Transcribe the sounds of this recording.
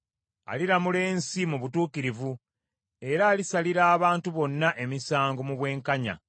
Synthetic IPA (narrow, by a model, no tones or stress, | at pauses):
a̰liɾamule̞ːnsimuβutuːkiɾivu | e̞ɾaːlisaliɾaːβaːntuβo̞nːaʔe̞misaːŋɡo̞muβwe̞ːŋkaɲa̰